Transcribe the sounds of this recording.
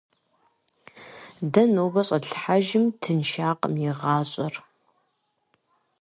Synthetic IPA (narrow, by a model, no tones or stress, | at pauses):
dɐnoːbɐɕʼɐɬħaʒɪmtʰɨnʃaːqʼə̰mjɪʁɑːɕʼɐr